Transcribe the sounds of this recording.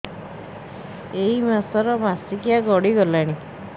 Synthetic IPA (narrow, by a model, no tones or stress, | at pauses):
eɦimasɔɾɔmasikiaɡɔɽiɡɔlaɽ̃i